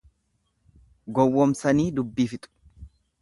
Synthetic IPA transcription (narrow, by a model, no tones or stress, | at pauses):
ɡɔwːɔmsɐniːd̪ʊbːiːfɪt̪ʼʊ̥